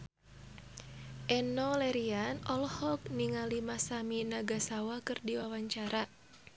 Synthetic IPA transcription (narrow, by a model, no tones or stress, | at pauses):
ʔɛnɔlɛɾianʔɔlhɔk̚niŋalimasaminaɡasawakɨrdiwawaɲt͡ʃaɾa